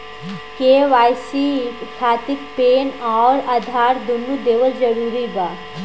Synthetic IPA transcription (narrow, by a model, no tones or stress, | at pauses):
keːʋaːjsikʰaːt̪ɪkpeːnɔːɾad̪ʱaːɾd̪unːud̪eːʋəld͡ʒɐɾuːɾiɡaː